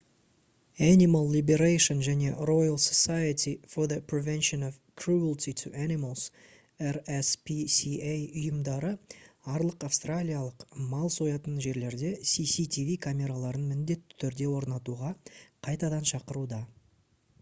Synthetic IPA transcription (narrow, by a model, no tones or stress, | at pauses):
ænimalˠːibeɾajʃənʒæne̞ro̞jɑlˠsosajət̪ifoðəpɾivɛnʃonov | kʰɾuəlˠt̪it̪ʰuʔænimalˠz̥ | eɾespʰisiejʊjəmd̪ɑɾəɑɾlˠəqafst̪ralʲijalˠəqmɑlˠso̞jɑt̪ənʒe̞ɾle̞ɾd̪e̞sisit̪ʲivikʰamʲe̞ɾalˠɑɾənmɪnd̪e̞t̪ːɪ̥t̪ʰʏɾd̪e̞wo̞ɾnɑt̪uʁɑqʰɑjt̪ɑd̪ɑnʃɑqəɾud̪ɑ